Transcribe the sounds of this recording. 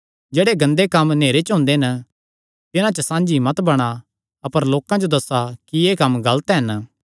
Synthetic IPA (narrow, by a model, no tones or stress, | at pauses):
d͡ʒeːɽeɡɐ̃nd̪ekɐmneːɾet͡ʃɦʊ̃ːnd̪eɦn | t̪ɪnãt͡ʃəsãːnd͡ʒimɐt̪bɐɽ̃a | ɐpəɾloːkãd͡ʒod̪ɐsːakieːkɐmɡɐlt̪ɦɐn